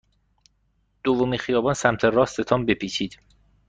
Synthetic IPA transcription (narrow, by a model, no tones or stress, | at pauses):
d̪̥ovomiːnxijɒːbɒːnsæmt̪ʰerɒːst̪ʰe̞t̪ʰɒːmbepʰiːt͡ʃʰiːd̪̥